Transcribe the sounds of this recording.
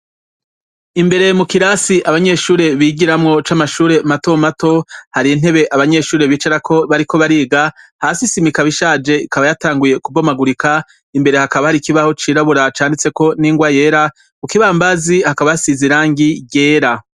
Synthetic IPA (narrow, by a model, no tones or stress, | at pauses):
imbe̞ɾe̞mukiɾasiʔaβaɲe̞ʃuːɾe̞βiɡiɾamŋo̞t͡ʃaːmaʃuːɾe̞mato̞mato̞haɾin̥e̞βe̞ʔaβaɲe̞ʃuːɾe̞βiːt͡ʃaɾakʰo̞βaɾiko̞βaɾiːɡahaːsisimikaβiʃaːd͡ʒe̞ikaβajataːŋɡuje̞kubo̞maɡuɾika | imbe̞ɾe̞hakaβahaɾikiβaho̞t͡ʃiːɾaβuɾat͡ʃaːndit͡se̞ko̞niːŋɡwaje̞ːɾa | kukiβaːmbazihakaβaasiziɾaːŋɡije̞ːɾa